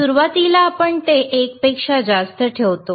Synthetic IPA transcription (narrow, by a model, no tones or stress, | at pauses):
uɾʋat̪ilaːpəɳt̪eʔek̚pekʂad͡zast̪əʈʰeʋt̪o